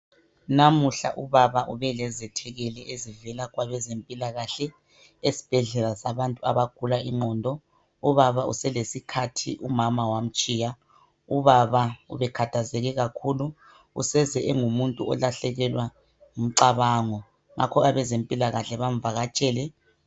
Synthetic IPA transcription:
namuɬa̰ʔuβaβaʔuβɛlɛzɛtʰɛɣɛlɛʔezivɛlaɣwaβɛzempʼilaɣaɬɛ | esi̥b̥ʱɛɮɛlasaβantʼua̰βaɡ̥ʱulaiŋ͡ǃɔndʱɔ | uβaβaṵsɛlesikʰatʰḭʔumamawam̩t͡ʃʼija | uβaβaṵβɛkʰatʰazɛɣɛɣakʰulu | ṵsɛzɛʔɛŋumuntʼuɔ̰laɬɛɣɛlwa | ŋum̩ǀaβaːŋɔ | ŋʔa̰kʰɔɣaβɛzempʼilaɣaɬɛβam̩vaɣat͡ʃʼɛːlɛ

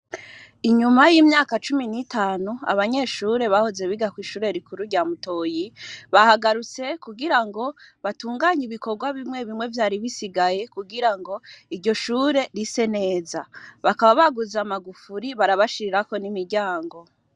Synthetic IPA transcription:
iɲumajimɲaːkat͡ʃuminitaːnua̰βaɲe̞ʃuːɾe̞βahoze̞βiɡakwiːʃuːɾe̞ɾikuɾuɾɟaːmuto̞ːjiβahaɡaɾut͡se̞kuɡiɾaŋɡo̞βatuːŋɡaːɲiβiko̞ɾɡwaβimŋe̞βimŋe̞vjaːɾiβisiɡaje̞kuɡiɾaŋɡo̞iɾɟo̞ʃuːɾe̞ɾise̞ne̞ːzaβakaβaβaɡuzamaɡufuɾiβaɾaβaʃiɾiɾako̞nimiɾɟaːŋɡo̞

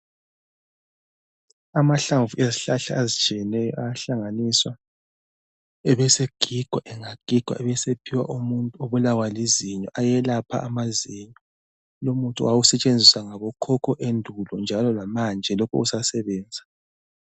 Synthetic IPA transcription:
amaɬaɱvuʔeziɬaɬaːzit͡ʃʼijɛnɛjɔ̰ajɬaŋaniswa | ɛβɛseɡ̥ʱiɡ̥ʱwaʔɛŋaɡ̥ʱiɡ̥ʱwa̰ʔɛβɛsepʰiwa̰ʔumuntʼuoβulawaliziɲɔ̰ʔajɛlapʰa̰ʔamaziɲɔ | lomuntʼṵwawusɛt͡ʃʼend͡zʱiswaŋaβɔkʰɔkʰɔʔendʱulɔnd͡ʒʱalɔlamand͡ʒʱɛlokṵusasɛβɛːnd͡zʱa

